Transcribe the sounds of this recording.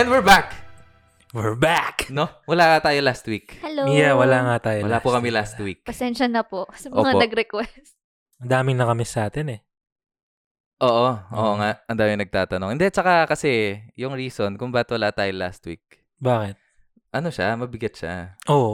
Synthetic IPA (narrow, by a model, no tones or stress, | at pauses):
ɛnwɪɹbak | wɪɹbaknowɐlaːŋat̪aːjolast̪wikhɛojawɐlaŋat̪aːjowɐlapʊkɐmɛlast̪wik̚pɐsɛnʃɐnɐposɐmʔɐ̰ːŋanɐɡɾɛkwɛs | ɐnd̪aːmɪŋnɐkɐmɪsɐʔaːt̪ɛnɛ | ʔoːʔoʔo̰ːʔoŋaʔʔɐnd̪aːmɪŋnɐɡ̚t̪aːt̪ɐnoŋɪnd̪ɛt͡ʃɐkakɐsɛjʊŋɹiːsonkʊŋbaːɪt̪̚wɐlat̪aːjola̰ːst̪wḭk̚ | baːkɛt̪̚ | ʔɐnoʃamɐbɪɡɐt̪̚ʃa̰ʔoːʔo